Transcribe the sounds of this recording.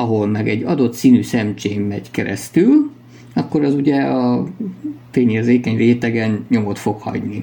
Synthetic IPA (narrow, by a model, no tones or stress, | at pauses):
ɒɦo̞lmɛɡɛɟːɒd̪o̞t̪siːnyːsɛmt͡ʃeːmmɛɟkɛɾɛ̰st̪yl | ɒkːo̞ɾɛzuɟɛɒ | feːɲeːrzeːkɛɲreːt̪ɛɡɛnɲo̞mo̞t̪fo̞khɒ̰ɟni